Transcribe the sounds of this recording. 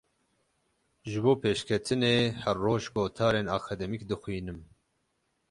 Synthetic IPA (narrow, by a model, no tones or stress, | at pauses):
ʒɨboːpʰeːʃkʰɛt̪ʰɨneːhɛrːoːʒɡoːt̪ʰɑːɾeːnɑːkʰɑd̪ɛmikd̪ɨxʷwiːnɨm